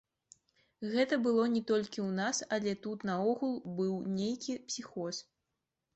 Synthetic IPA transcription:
ɣɛt̪ɐbɨlˠɔnʲɛt̪ɔlʲkʲiwnasɐlʲɛt̪ut̪nɐɔɣulˠbɨwnʲejkʲipsʲixɔs

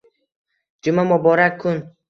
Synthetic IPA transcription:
d͡ʒʊmamʊbɒɾakʰːʊn

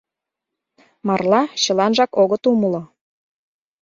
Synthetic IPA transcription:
mɑrlɑɕɤ̆lɑnʒɑkoɣə̆t̪uməlŏ

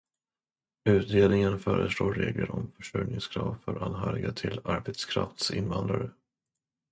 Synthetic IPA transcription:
ʉ̟ːt̪ɾeːd̪nɪŋənfœːɾəsloːɾeːɡləɾɔmfœʂœnɪŋskʰɾɑːvfœɾʔanɦœːɾɪɡat̪ʰɪlaɾbet̪skʰɾa̰ft̪sɪ̰nvand̪ɾaɾə

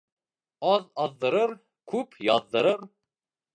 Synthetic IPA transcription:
ɑðɑðːɤ̆ɾɤɾ | kʰʉpjɑðːɤ̆ɾɤɾ

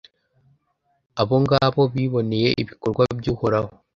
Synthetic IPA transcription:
aβo̞ŋɡaβo̞βiːβo̞ne̞je̞ʔiβikoɾɡwabɟuːhoɾaho

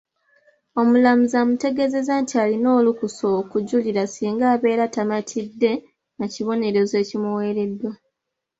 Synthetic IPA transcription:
o̞mulamuzamute̞ɡe̞ze̞zaːntʰialino̞ːlukuso̞kuɟuliɾasiːŋɡaːβe̞ːɾatamatʰidːe̞ | naciβo̞ne̞ɾo̞ze̞ːcimuwe̞ːɾe̞dwa

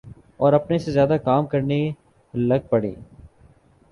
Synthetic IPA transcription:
ɔːɾɐpnesezjaːd̪akaːmkɐɾne | lɐɡ̚pɐɽḭː

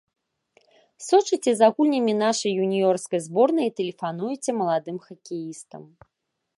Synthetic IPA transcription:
sɔt͡ʂɨt͡sʲɛzaɣulʲnʲɐmʲinaʂɐjːunʲijɔrskɐjzbɔrnɐit̪ɛlʲɛfanujɛt͡sʲɛmɐlˠad̪ɨmxɐkʲijist̪ɐ̰m

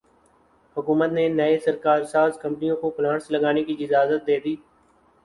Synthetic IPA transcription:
hʊkuːmət̪nenəesəɾkaːɾsaːzkə̃mpənijõkopʊlãːɳsləɡaːnekiɪd͡ʒaːzət̪̚d̪eːd̪iː

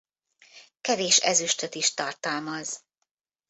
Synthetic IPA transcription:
kɛveːʃɛ̰zyʃt̪øt̪iʃt̪ɒrt̪ɒlmɒz

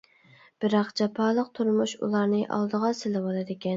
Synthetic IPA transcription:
b̥ɪɾɑqd͡ʒɑpʰɑːlˠəqt̪ʰuɾmuʃṵlˠɑɾnɨʔɑ̰lˠd̪əʁɑsɪlɪwɑlˠɨd̪ɪkʲɛn

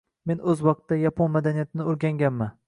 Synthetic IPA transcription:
me̞nɵzwɒq̚t̪ːajapʰonmad̪anijat̪ʰɪnɪoɾɡʲaŋɡʲanman

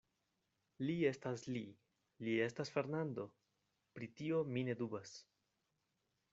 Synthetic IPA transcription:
lie̞stasli | lie̞stasfe̞ɾnando̞ | pɾitio̞mine̞dubas

